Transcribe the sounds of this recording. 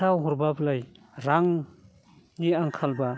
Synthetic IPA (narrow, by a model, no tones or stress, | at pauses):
awɦɔɾbaplaj | ɾaŋ | niaŋkʰalba